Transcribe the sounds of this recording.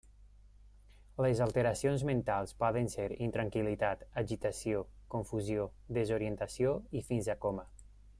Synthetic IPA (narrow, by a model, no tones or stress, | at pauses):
lezalˠt̪eɾasionzment̪alˠspɔðenseɾint̪ɾaŋkilit̪at̪aʒit̪asiokoɱfuziod̪ezoɾient̪asioifinzakomə